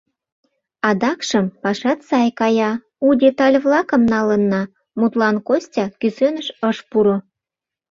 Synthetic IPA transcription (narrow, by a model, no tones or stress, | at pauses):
ɑd̪ɑkʃə̆mpɑʃɑt̪sɑjkɑjɑ | udʲet̪ɑlʲvlˠɑkə̆mnɑlə̆nːɑ | mut̪lɑnkosʲtʲɑkysønə̆ʃəʃpuɾo